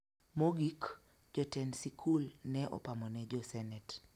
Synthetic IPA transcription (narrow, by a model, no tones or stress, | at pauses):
moɡik | d͡ʒɔtɛnsikʰulnɛʔɔ̰pamɔnɛd͡ʒɔsɛnɛt